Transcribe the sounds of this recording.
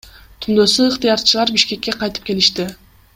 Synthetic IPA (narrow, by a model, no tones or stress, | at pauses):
t̪ʰumd̪osuːqt̪ɨjɑɾt͡ʃɯlˠɑɾbiʃke̞kːe̞qɑjt̪ɯpke̞liʃt̪ɪ